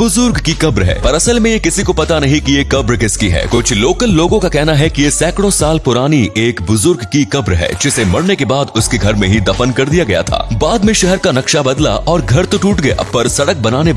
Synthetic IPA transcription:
bʊzʊɾɡkikɐbɾɦɛ̰ːpɐɾɐsəlmẽjekɪsikopɐt̪anɐɦĩkijekɐbɾkɪskiɦɛ̰ːkʊt͡ʃʰloːkəlːoːɡõkakɛɦnaɦɛkijesɛːkɽ̃õsaːlpʊɾaːnieːkbʊzʊɾɡkikɐbɾɦɛ̰ːd͡ʒɪsemɐɽnekebaːd̪ʊskeɡʱɐɾmẽɦid̪ɐfənkɐɾd̪ijaɡɐja̰t̪ʰa̰ːbaːd̪mẽʃɛɦɛɾkanɐkʃabɐd̪la̰ʔʔɔːɾɡʱɐɾt̪oʈuːʈɡɐja̰pɐɾsɐɽək̚bɐnaːne

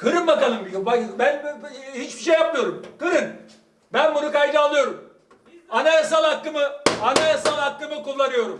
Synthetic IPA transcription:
kʰɯɾɯnbakalˠɯmbiɡobabænhit͡ʃbiʃejːap̚mɯjo̞ɾumkɯɾɯn | bænbunukajd̪ɯalˠɯjo̞ɾum | anajasalˠhakːɯmɯanajasalˠhakːɯmɯkulˠːanɯjo̞ɾum

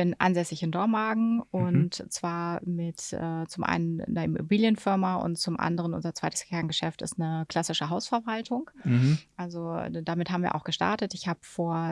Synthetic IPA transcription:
b̥ɪnʔa̰ɪnzɛsɪçɪndɔɐnmaɐɡŋ̩ʊntt͡sv̥aːɐmɪtʔɛːt͡sʊmʔa̰ɪnənnɐʔɪmo̰biːljənfɪɐmaʔʊ̰ntt͡sʊmʔa̰ndəʁ̞ənʊ̰nzɐt͡sv̥aɪtə̥skʰɛɐnɡəʃɛftɪ̰stnəkl̥asɪʃəɦaʊsfɛɐvaltʰʊŋkʔʔalzodamɪthaːbm̩viːɐʔa̰ʊxɡ̥əʃta̰ɐtətɪçhaːbəfoːɐ

